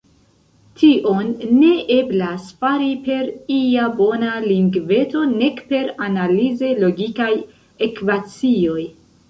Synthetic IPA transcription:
tʰiʔo̞nːe̞ʔe̞blasfaɾipe̞ɾiabo̞naliŋɡve̞to̞ne̞kpe̞ɾanalize̞lo̞ɡikaj | e̞kvat͡sio̞j

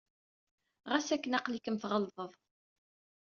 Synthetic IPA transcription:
ʁæsækːənɑqlikəmθʁəlðˤəðˤ

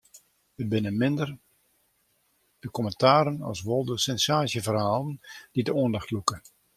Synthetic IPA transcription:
əd̚bɪnəmɪndər | d̥əkɔməntaːɾənɑ̰lˠsʋolˠdəsɛnsaːsjəvərhaːlˠənd̥idəoəndɔxtlukə

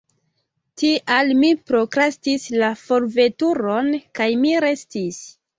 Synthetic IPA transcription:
tiʔalmipɾo̞kɾastislafo̞ɾve̞tuɾo̞nkajmiɾe̞stis

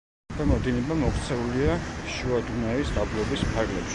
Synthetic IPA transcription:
bɛmɔd̪inɛbamɔkt̪sʰɛuliaʃuad̪unaisd̪ablˠɔbispʰaɾɡʼlɛpʃ

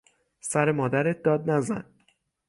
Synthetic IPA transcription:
sæɾe̞mɒːd̪æɾet̪̚d̪ɒːd̪̚næzæ̰n

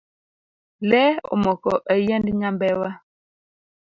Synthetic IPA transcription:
lɛo̰mɔkɔʔɛjɛndɲambɛwa

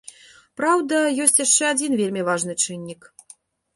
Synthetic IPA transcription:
pɾawd̪ɐjɔsʲt͡sʲjaʂt͡ʂɛad͡zʲinvʲelʲmʲivaʐnɨt͡ʂɨnʲːik

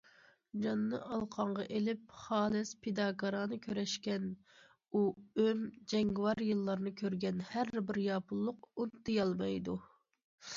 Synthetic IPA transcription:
d͡ʒɑnːɨʔɑlˠqʰɑɴʁɑʔelɪp̚χɑːlɪspʰed̪ɑːɡɑɾɑːnɨkʲʰøɾɛʃkʲɛn | uømd͡ʒɛŋɡwɑɾjɨlˠːɑɾnɨkʲʰøɾɡʲɛnhæɾbɪɾjɑːpʰulˠːʊq̚unt̪ːɨjɑlˠmɑjd̪u

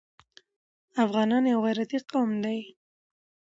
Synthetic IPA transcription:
afɣɑnɑnjawɣajɾat̪iqawmd̪aj

